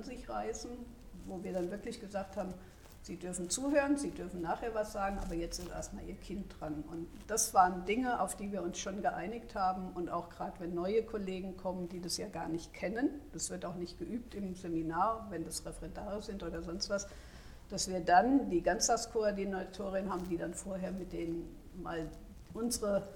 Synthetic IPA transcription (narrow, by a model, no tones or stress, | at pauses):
nzɪçʁaɪsn̩ | voːviːɐdanvɪɐklɪçɡ̥əzaːkthaːbm̩ | z̥iːdʏɐfn̩t͡suːhøːʁənziːdʏɐfn̩naːχheːɐvasz̥aːɡŋ̩ʔa̰ːbɐjɛt͡stɪstʔḛɐstmaːlʔiːɐkʰɪnt̚d̥ʁanʔʊnt | d̥asv̥aːʁəndɪŋəʔa̰ʊfd̥iːviːɐʊnsʃoːnɡəʔaɪnɪçthaːbm̩ʔʊntaʊxɡ̥ʁaːdəvɛnːɔʏəkʰɔleːɡŋ̩kʰɔməndiːdasjaːɡaːɐnɪçtkʰɛnənd̥asv̥ɪɐtaʊxnɪçt̚ɡ̥əʔyːp̚tɪmzeminaːɐvɛndasʁɛfɛʁɛndaːʁəz̥ɪntʔoːdɐzɔnstv̥as | d̥asv̥iːɐdandiːɡant͡saskʰoadinatʰoːʁɪənhaːbm̩diːdanfoːɐɦeːɐmɪt̚d̥eːnən | ma̰ːl | ʔʊnzəʁə